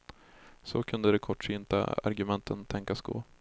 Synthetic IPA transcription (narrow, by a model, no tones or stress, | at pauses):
sɔkʰɵnd̪əd̪ɛkʰɔʈːʂyːnt̪a̰a̰ɾɡɵmɛnt̪ʰənt̪ʰɛŋkasɡo̰ː